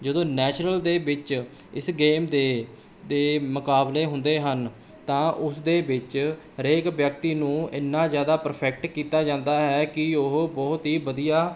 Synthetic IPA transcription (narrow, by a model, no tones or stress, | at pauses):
d͡ʒəd̪õːnɛːt͡ʃɾəld̪eːbɪt͡ʃ | ɪsɡeːmd̪eː | d̪eːmʊkaːbleːɦʊnd̪eːɦən | t̪ãːʔʊsd̪eːbɪt͡ʃ | ɾeːkʋjəkt̪iːnũːɪnːãːzjaːd̪aːpəɾpʰɛːk̚ʈkiːt̪aːd͡ʒãːnd̪aːɦɛːkɪʊɦbɔːt̪ɦiːbəd̪ijaː